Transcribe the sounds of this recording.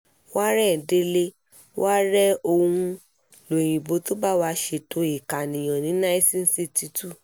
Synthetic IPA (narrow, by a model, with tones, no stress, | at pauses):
wa˦ɾɛ˦˨de˧le˦ | wa˦ɾɛ˦o˧ũ˧ | lõ˨ĩ˨bo˨˦to˦ba˦˨wa˧ʃe˧to˧˦i˨ka˨nĩ˨j̃ã˨nĩ˨˦nã˦i˦sĩ˦n̩˦si˦˨ti˧˦tu˦˨